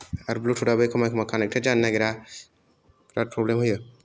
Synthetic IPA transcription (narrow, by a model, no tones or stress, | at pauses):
aɾbluʈʰuɖabɯjkʰɔmajkʰɔmakʰanɛk̚ʈʰɛd͡ʒanːaɡɛɾa | kɾat̚pʰɾɔblɛmɦɯjɯ